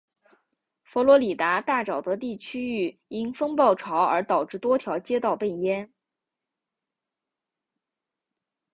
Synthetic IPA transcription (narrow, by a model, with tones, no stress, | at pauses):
fɔ˧˥lwɔ˧˥li˨˩t̪a˧˥t̪a˥˩ʈ͡ʂɑ˨˩ʊd̪ə˦˥t̪i˥˩t͡ɕʰy˥y˥˩i˥nfɤ˥ŋpɑ˥˩ʊʈ͡ʂʰɑ˧˥ʊə˞˧˥t̪ɑ˨˩ʊʈ͡ʂɻ̩˥˩t̪wɔ˥t̪ʰjɑ˧˥ʊt͡ɕjɛ˥t̪ɑ˥˧ʊpe˥˩ɪjɛ˥n